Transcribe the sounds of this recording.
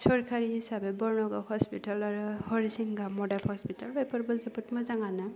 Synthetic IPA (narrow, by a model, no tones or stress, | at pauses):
sɔɹkʰaɹiɦisabɛbɔɹnɔɡahɔspitalaɹuhɔɹisiŋɡamɔdalhɔspitalbajpɔɹbɔlziputmɔzaŋanɯ